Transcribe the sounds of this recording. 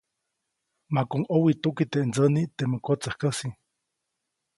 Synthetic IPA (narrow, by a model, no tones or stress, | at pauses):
makoŋowit̪ukit̪eʔnt͡sənit̪eməkot͡sahkəsi